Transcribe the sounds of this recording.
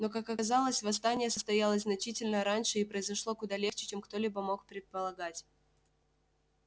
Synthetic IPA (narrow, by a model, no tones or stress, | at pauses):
no̞kakɐzalˠəsʲvɐst̪anʲɪjəsəst̪ɐjalˠəsʲzʲznɐt͡ɕitʲɪlʲnəɾanʲʂɨɪpɾəɪzɐʂlˠo̞kʊd̪alʲe̞xt͡ɕɪ̥t͡ɕemkt̪o̞lʲibəmo̞kpɾʲɪt̪̚pəlˠɐɡatʲ